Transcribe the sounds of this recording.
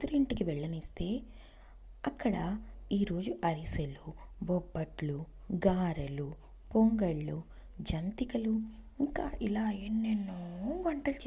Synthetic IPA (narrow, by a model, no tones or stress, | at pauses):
t̪uɾiɳʈikiʋɛɭːɐnist̪e̞ː | ɐkːɐɽɐiːɾo̞ːd͡ʒuʔɐɾisɐlubobːɐʈlu | ɡaːɾɐlu | poŋɡɐɭːu | d͡ʒɐnt̪ikɐlu | iŋkaːʔilaːenːenːuɡɐɳʈɐlt͡ʃː